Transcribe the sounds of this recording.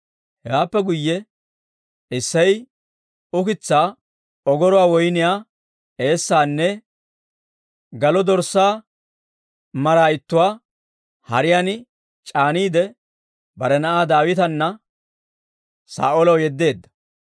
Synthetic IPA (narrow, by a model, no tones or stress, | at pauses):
hɛɡaːpːɛɡʊjːɛ | ɪsːɐj | ʊkɪt͡sːaː | ɔɡɔɾʊwaːwɔjnɪjaː | e̞ːsːaːnːɛ | ɡɐlɔd̪ɔɾsːaː | mɐɾaːɪt̪ːʊwaː | hɐɾɪjaːn | t͡ʃʼaːniːd̪ɛ | bɐɾɛnɐʔaːd̪aːwɪt̪ɐnːɐ | sa̰ːʔɔlɐwjɛd̪ːe̞ːd̪ːɐ̥